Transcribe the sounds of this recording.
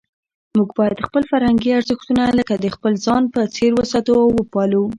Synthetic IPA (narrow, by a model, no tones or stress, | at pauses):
muɡbɑjad̪xpəlfaɾhaŋɡiaɾzəxt̪unaləkad̪əxpəlzɑnpət͡seɾwəsɑt̪əawəpɑla